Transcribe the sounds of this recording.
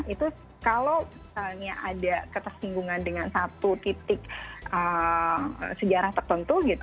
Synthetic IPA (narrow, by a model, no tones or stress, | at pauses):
it̪u | kalow | kalɲaʔadakət̪ərsiŋɡuŋandəŋansat̪ut̪it̪ɪk̚ə̰ | səd͡ʒaɾaht̪ərt̪ənt̪uɡit̪